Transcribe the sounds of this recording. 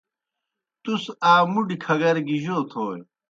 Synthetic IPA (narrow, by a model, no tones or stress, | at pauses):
t̪usaːmuɖikʰɐɡɐɾɡiʑoːt̪ʰoːj